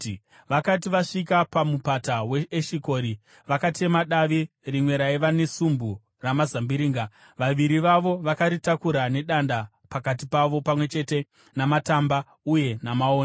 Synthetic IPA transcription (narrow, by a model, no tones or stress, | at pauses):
ʋakat̬iʋaʂikapamupataweːʃiko̞ːɾi | ʋakate̞maɗaʋi | rimwe̞ɾaiʋane̞sumbu | ramazambiɾiːŋɡa | ʋaʋiɾiʋaʋo̞ʋakaɾitakuɾane̞ɗanda | pakat̬ipaʋo̞pamwe̞t͡ʃe̞te̞ | namatamba | uje̞namaoːn